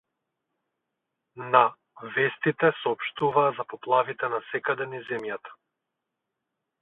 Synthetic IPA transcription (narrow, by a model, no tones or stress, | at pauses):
na | vɛst̪it̪ɛsɔɔpʃt̪uvaːzapɔplˠavit̪ɛnasɛkad̪ɛnizɛmjat̪ḁ